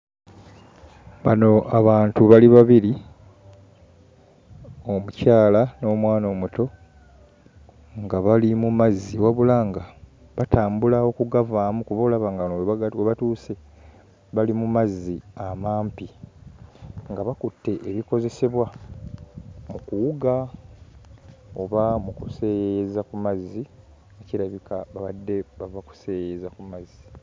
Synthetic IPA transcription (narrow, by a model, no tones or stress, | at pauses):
βano̞ʔaβaːntuβaliβaβiɾi | o̞mucaːlano̞ːmwaːno̞ːmuto̞ | ŋɡaβalimumazːiwaβulaːŋɡa | βatʰaːmbulawo̞kuɡavaːmukuβolaβaŋɡanoβaoβatuːse̞ | βalimumazːiamaːmpi | ŋɡaβakutːe̞ʔeβiko̞ze̞se̞βwa | mukuwuɡa | oβamukuse̞ːjezakumazːi | aciɾaβikaβaβadːe̞βavaku̥se̞ːjezakumazːi